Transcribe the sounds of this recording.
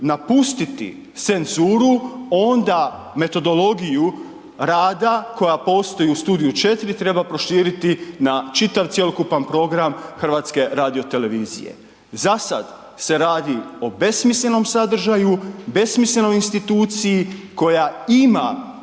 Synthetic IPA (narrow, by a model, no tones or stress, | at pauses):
napust̪it̪ḭ | t̪se̞nzuːɾuo̞nd̪a | me̞t̪o̞d̪o̞lˠo̞ɡiju | ɾaːd̪ako̞japo̞ːst̪o̞jiust̪uːd̪ijut͡ʃe̞t̪iɾit̪ɾe̞bapɾo̞ʃiːɾit̪inat͡ʃit̪aʋt̪sjelokupanpɾo̞ɡɾamxr̩ʋaːt̪ske̞ɾaːd̪io̞t̪e̞le̞ʋiːzḭje̞̰ | zasa̰d̪ | se̞ɾaːd̪io̞be̞smislʲe̞no̞msad̪r̩ʒajube̞smislʲe̞no̞jinst̪it̪uːt̪sijiko̞jaima̰